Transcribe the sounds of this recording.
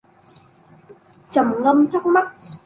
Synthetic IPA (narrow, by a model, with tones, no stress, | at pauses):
t͡ɕə˨˩mŋə˧mt̪ʰʊ˦˥k͡p̚ma˦˥t̚